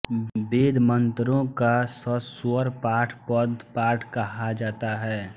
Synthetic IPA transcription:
beːd̪mə̃nt̪ɾõkasəsʊəɾpaːɾʈʰpəd̪paːɾʈʰkɐɦad͡ʒaːt̪aɦɛː

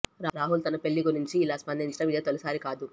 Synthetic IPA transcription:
ɾaɾaːɦult̪ɐnɐpe̞ɭːiɡuɾiɲt͡ʃiːlaːspɐnd̪iɲt͡ʃɐnɐʋid̪jɐt̪ɔlɐsaːɾikaːd̪u

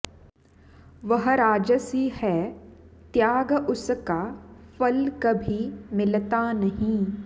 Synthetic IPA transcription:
ʋɐɦɾaːd͡ʒəsihɛː | t̪jaːɡʊskafɐlkɐbʱimɪlt̪anɐɦĩ

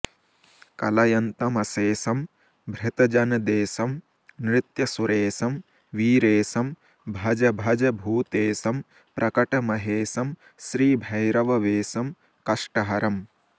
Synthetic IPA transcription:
kɐlɐjɐnt̪ɐmɐseːsɐm | bʱɾɪt̪ɐd͡ʒɐnɐd̪eːsɐm | nɾɪt̪jɐsuɾeːsɐm | ʋiːɾeːsɐm | bʱɐd͡ʒɐbʱɐd͡ʒɐbʱuːt̪eːsɐm | pɾʔɐkɐʈɐmɐɦeːsɐm | ʃɾiːbʱɐjɾɐʋɐʋeːsɐm | kɐʂʈɐɦɐɾɐm

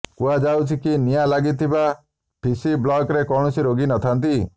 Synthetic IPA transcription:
kuad͡ʒawt͡ʃʰikinijalaɡit̪ʰiba | pʰisiblɔkɾekɔɳ̃ɔsiɾoɡinɔt̪ʰant̪i

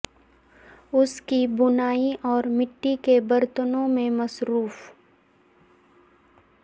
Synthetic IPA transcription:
ʊskibʊnaːiʔɔːɾmɪʈːikebɐɾt̪ənõmẽmɐsɾuːf

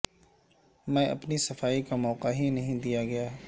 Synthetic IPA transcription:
mɛ̃ʔɐ̰pnisɐfaːikamɔːqaɦinɐɦĩd̪ijaɡɐjaː

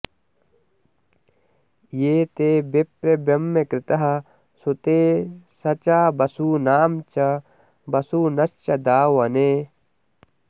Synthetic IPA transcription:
jeːt̪eːbepɾebɐmːekɾɪt̪ɐɦɐ | sut̪eːsɐt͡ʃaːbɐsuːnaːmt͡ʃɐ | bɐsuːnɐst͡ʃɐd̪aːwɐneː

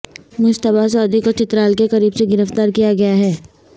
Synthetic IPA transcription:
mʊʃt̪əbas̬ɔːd̪ikot͡ʃɪt̪ɾaːlkekɐɾiːbseɡɪɾəft̪aːɾkijaɡɐjaɦɛː

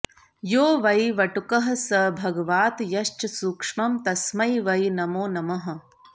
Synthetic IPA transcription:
joːʋɐjʋɐʈukɐɦɐsɐbʱɐɡɐʋaːt̪jɐʃt͡ʃɐsuːkʂmɐmt̪ɐsmɐjʋɐjnɐmoːnɐmɐɦɐ̆

